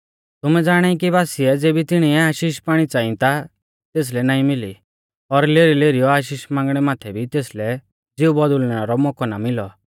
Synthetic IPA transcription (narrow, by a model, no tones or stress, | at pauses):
t̪ʊmɛd͡zaːɽ̃ɛːĩk̬ibaːsiɛd͡zeːbʱit̪ɪɽ̃iɛaːʃiːʃpaːɽ̃it͡saːɪ̃t̪a | t̪eːs̬lɛnaːĩmɪlḭ | ɔɾleːɾileːɾijɔaːʃ̬iːʃmãːŋɡɽ̃ɛmaːt̪ʰɛbʱit̪eːslɛ | d͡zɪubɔd̪ʊlñaɾɔmɔkɔnamɪlɔ